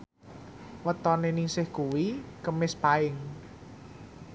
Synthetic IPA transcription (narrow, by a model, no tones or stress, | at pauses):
wət̪ɔnenisɪhkuwikəmɪspaɪŋ